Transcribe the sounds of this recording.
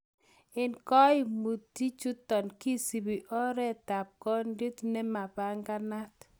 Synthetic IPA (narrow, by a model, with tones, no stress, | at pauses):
ɪ˨nkɔ˦ɪ˦˨mu˨tːi˦t͡ʃu˦tɔ˨nki˦si˨bi˨ʔɔ˦ɾɛ˦ta˨p̚kɔ˦ndi˦tne˦ma˨ba˦ŋɡa˦na˦t